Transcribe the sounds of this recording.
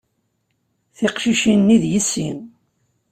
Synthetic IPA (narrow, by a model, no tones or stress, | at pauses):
θiqʃiʃinːiðjisːim